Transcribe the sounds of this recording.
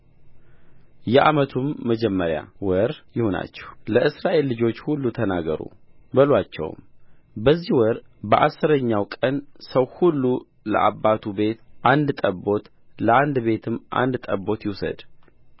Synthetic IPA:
jɛʔamət̪ʰumːəd͡ʒɛmːəɾja̰wɔɾjɪhona̰t͡ʃːɛ̥hləʔɨsɾaʔe̞lːɨd͡ʒo̞t͡ʃːhulːut̪ʰənaɡə̰ɾṵbəlwat͡ʃːɛ̰w̰mbəzːihwɔɾbəʔasːɨɾəɲːawkʼənsəwhulːu | lə̰ʔa̰bːat̪ʰube̞t̪ʔand̪t̪ʼəbo̞t̪ | ləand̪be̞t̪ʰɨmːʔa̰nd̪t̪ʼəbo̞t̪jɪwsə̰d̪

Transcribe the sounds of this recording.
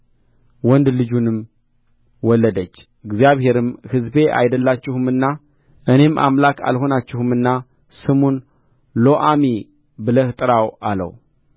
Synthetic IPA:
wɔnd̪lɨd͡ʒunɨm | wɔlːəd̪ət͡ʃː | ɨɡzijaβhe̞ɾɨmhɨzbe̞ʔa̰jd̪əlːat͡ʃːɪhɨmɨnːa | ʔɨne̞mʔa̰mlakʰa̰lɦo̞nat͡ʃːɪhɨmɨnːa | sɨmon | loʔami | bɨləht̪ʼɨɾawalə̰w

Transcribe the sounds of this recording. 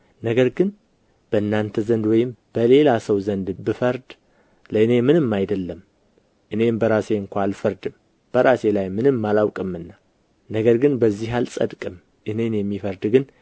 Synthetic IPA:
nəɡəɾɡɨn | b̥əɨnːant̪ʰəzənd̪wɔjɪmb̥əle̞lasəwzənd̪bɨfəɾd̪ | ləɨne̞mɨnɨmːajd̪əlːəm | ʔɨne̞mbəɾase̞ɨŋkʷʰaalfəɾd̪ɨm | b̥əɾase̞lajmɨnɨmːalawkʼɨmːɨnːa | nəɡəɾɡɨnbəzːiɦalsʼə̰d̪kʼɨm | ʔɨne̞njɛmːifəɾd̪ɡɨn

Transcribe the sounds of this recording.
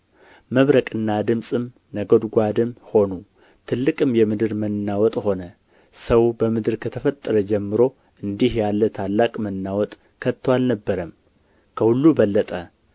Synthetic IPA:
məβɾəkʼɨnːad̪ɨmsʼɨm | nəɡo̞d̪ɡʷad̪ɨmho̞nu | t̪ʰɨlːɨkʼɨmjɛmɨd̪ɨɾmənnːawɔt̪ʼho̞nə | səwbəmɨd̪ɨɾkʰət̪ʰəfət̪ʼːəɾəd͡ʒɛmːɨɾo̞ | ʔɨnd̪ihjalːət̪ʰalːakʼmənːawɔt̪ʼ | kʰət̪ʰːwalnəbːəɾəm | kʰəhulːubəlːət̪ʼə

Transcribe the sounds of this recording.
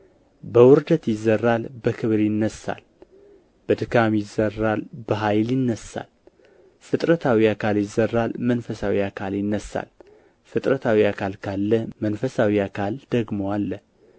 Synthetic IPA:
bəwʊɾd̪ət̪jɪzːərːalbəkʰɨβɾjɪnːəsa̰l | b̥əd̪ɨkʰamjɪzːərːalbəɦajljɪnːəsa̰l | fɨt̪ʼɾət̪ʰawiakʰaljɪzːərːalmənfəsawiakʰaljɪnːəsa̰l | fɨt̪ʼɾət̪ʰawiakʰalkʰalːəmənfəsawiakʰald̪əɡmowalːə

